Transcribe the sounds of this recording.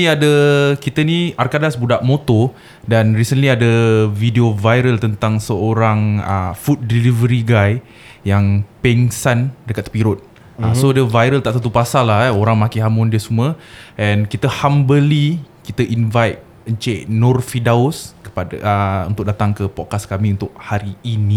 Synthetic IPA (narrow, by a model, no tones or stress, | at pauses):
iadəkit̪əniarkadasbudaʔmot̪o | danɾisənliadəvidiovajɾəlt̪ənt̪aŋsəoɾaŋə̰fut̪̚dilivəɾiɡaj | jaŋpɛŋsandəkat̪̚piɾʊt̪̚ | əsodəvajɾəlt̪aʔt̪ət̪upasalːahoɾaŋmakiɦamʊndiəsumuəʔɛ̃nkit̪əhambəlikit̪əʔinvajt̪̚ | əɲt͡ʃeʔnɔrfidaʊskə̥padəṵnt̪ʊk̚dat̪aŋkəpɔkaskamiunt̪ʊʔ̚haɾiːni